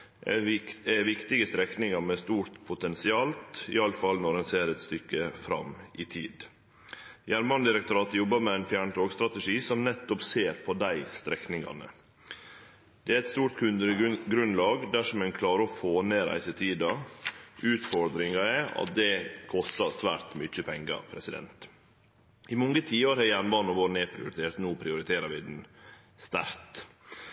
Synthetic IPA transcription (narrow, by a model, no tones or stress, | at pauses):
ɛʋɪkt̪ɪɡəst̪ɾɛknɪŋɑɾmɛst̪uːɾt̪pʰʊt̪ɛnsɪɑːlt̪ɪ̰ɑləfɑlnɔɾɛnseːɾɛt̪st̪ʏkːəfɾɑ̰mʔɪt̪ʰiːd̪ | jæɾmɑnd̪ɪɾɛk̚t̪ʊɾɑːt̪jɔbːəɾmɛæɪnfjæːɳʈ̪ʰoːɡst̪ɾɑt̪əʂiːsɔmnɛt̪ːɔpseːɾpʰɔd̪æɪst̪ɾɛknɪŋɑ̰nə̰ | d̪̥ɛæɛt̪st̪uːɾʈ̪kʰʉnd̪əɾɡɾʉnlɑːɡd̪æʂɔmɛnkʰlɑːɾəɔfoːneːɾæ̰ɪsət̪ʰiːd̪ɑ | ʉːt̪fɔɾd̪ɾɪŋɑɛɑ̰t̪̚d̪ɛkʰɔst̪ɑsʋæːɾt̪mʏt͡ʃːəpʰɛŋɡɑ̰pʰɾɛsɪd̪ɛ̰nt̪ | ɪmɔŋɡət̪ʰiːəɾhɛjæɳbɑnɔʋoːɾn̩epʰɾɪ̰ʊ̰ɾɪt̪ʰeːɾt̪noːpʰɾɪʊɾɪt̪ʰeːɾəɾʋɪd̪n̩ | st̪æ̰ɾt̪